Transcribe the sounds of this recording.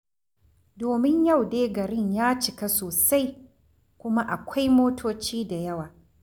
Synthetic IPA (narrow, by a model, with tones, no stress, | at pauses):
doː˨mɪ˦ɲjɐ˦˨wdeː˦ɡɐ˨ɾɪ˦ɲjaː˦t͡ʃɪ˨ka˦soː˨sa˦j | kʷʊ˦ma˦ʔa˨kʷʰa˦jmoː˦tʰoː˦t͡ʃiː˦da˨jɐ˦waː˨